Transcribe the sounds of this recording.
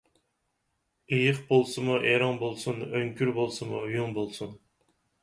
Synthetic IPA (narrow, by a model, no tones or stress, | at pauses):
ejɪχbolˠsɨmuʔeɾɑŋbolˠsunøŋkʲyɾbolˠsɨmujuŋbolˠsun